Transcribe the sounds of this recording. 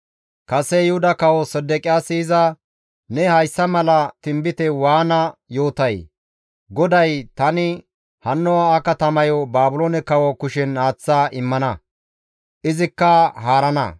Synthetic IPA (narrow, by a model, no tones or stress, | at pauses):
kɐsɛjɪhʊd̪ɐkɐwɔsɛd̪ːɛkʼɪjaːsɪɪzɐ | nɛhɐjsːɐmɐlɐt̪ɪmbɪt̪ɛwaːnɐjo̞ːt̪ɐj | ɡɔd̪ɐjt̪ɐnɪ | hɐnːɔwaːkɐt̪ɐmɐjɔbaːbʊloːnɛkɐwɔkʊʃɛnːaːt͡sːaːʔɪmːɐnɐ | ʔɪzɪkːɐhaːɾɐnɐ̰